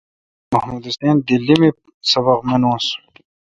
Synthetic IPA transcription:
mɐhmud̪ist̪eːnd̪ilːimi | sɐbɐqmenõːs

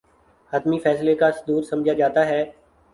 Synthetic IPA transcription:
hət̪mifɛːslekasd̪uːɾsɐmd͡ʒʱad͡ʒaːt̪aɦɛː

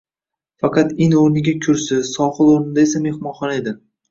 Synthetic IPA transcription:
fɑqɑt̪ɪnoɾnɪɡʲakʲʰʊɾsɪsɒχɨlˠoɾnɪd̪ae̞same̞hmɒnχɒne̞d̪ɪ

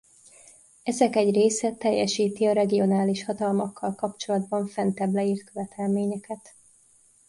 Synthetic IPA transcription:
ɛzɛkɛɟreːsɛt̪ːɛjːɛʃiːt̪iɒɾɛɡio̞naːliʃhɒt̪ɒlmɒkʰːɒlkɒpt͡ʃo̞lɒd̪bɒɱfɛnt̪ɛblɛiːrt̪̚køvɛt̪ʰɛlmeːɲɛkɛt̪

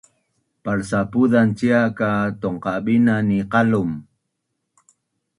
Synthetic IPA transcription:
paɾsapud̪ant͡ʃiakat̪oɴqɑbinaniqɑlʊm

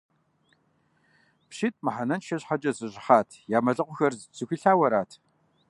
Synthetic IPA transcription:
pɕɪt̚ʰʼmaħanɐnʃɐɕħat͡ʃʼɐzɨɕʼɪχaːtʰjaːmɐɮɨqʷʊxɐrzt͡sʰɨxʷiɬaːwɐɾaːtʰ

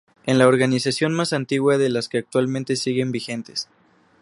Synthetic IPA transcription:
e̞nlao̞ɾɣanisasjo̞nmasant̪iɣwaðe̞laskeak̚t̪walmẽnt̪e̞siɣe̞mbixe̞nt̪es

